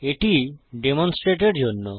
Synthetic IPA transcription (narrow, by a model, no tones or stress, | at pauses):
eʈiɖemonsʈɾeʈeɾd͡ʑonːo